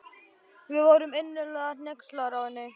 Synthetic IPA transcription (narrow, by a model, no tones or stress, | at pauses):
vɪðvowɾʏmenːɪlɛːɣanɛkslaɾawɪnːɪ